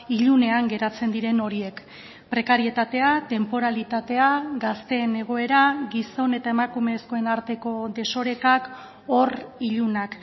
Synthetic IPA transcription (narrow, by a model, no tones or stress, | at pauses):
iʎune̞aŋɡe̞ɾat͡se̞nd̪iɾe̞no̞ɾie̞k | pɾe̞kaɾie̞t̪at̪e̞at̪e̞mpo̞ɾalit̪at̪e̞aɡast̪e̞ːne̞ɣ̞o̞e̞ɾaɡiso̞ne̞t̪ae̞makume̞sko̞e̞naɾt̪e̞ko̞d̪e̞so̞ɾe̞kak | o̞riʎunak